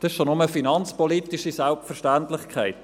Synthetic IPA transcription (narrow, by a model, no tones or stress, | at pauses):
d̥ɪʃʃonʊməfinɑnt͡spɔlitiʃisɛlpfɛɾʃtæntlɪχkʰχaɪt